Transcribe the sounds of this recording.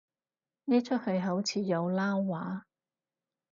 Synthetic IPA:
ni˥t͡ʃʰɵ˥t̚hɵ˧ɥɦɐ˨˥wt͡sʰiː˨˧jɐ˨˧wlaː˥wːaː˨˥

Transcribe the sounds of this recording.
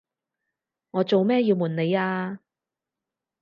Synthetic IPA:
ŋɔː˨˧t͡so˨wmɛː˥ji˧wmuː˨˩nne˨˧jaː˧

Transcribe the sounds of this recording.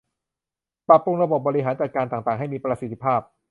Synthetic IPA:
pɾa˨˩p̚ːo˧ŋɾa˧bo˨˩p̚bɔː˧i˦˥ɦaː˩˦nt͡ɕa˨˩t̪̚kaː˧nt̪aː˨˩ŋt̪aː˨˩ŋɦa˥˩jmiː˧pɾa˧si˨˩t̪ʰːi˦˧˥pʰaː˥˩p̚

